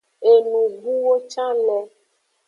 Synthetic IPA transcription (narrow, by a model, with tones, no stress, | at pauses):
e˨nũ˨ɡu˦wo˦t͡ʃa˦nɛ̃˨